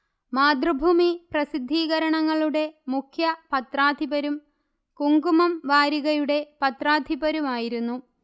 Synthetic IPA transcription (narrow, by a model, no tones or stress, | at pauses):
maːd̪rɐbʱuːmiprɐsid̪ʱːiːɣɐɾɐɳɐŋːɐɭuɽe̞mukʰjɐpɐt̪raːd̪ʱibɐɾum | kuŋɡumɐmʋaːɾiɣɐjuɽe̞pɐt̪raːd̪ʱibɐɾumaːjiɾunːu